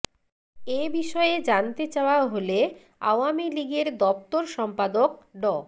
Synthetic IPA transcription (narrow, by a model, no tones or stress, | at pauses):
ebiʃɔed͡ʑant̪et͡ɕaoaɦole | a̰wamiliɡeɾd̪ɔp̚t̪oɾʃɔmpad̪ok̚ɖɔ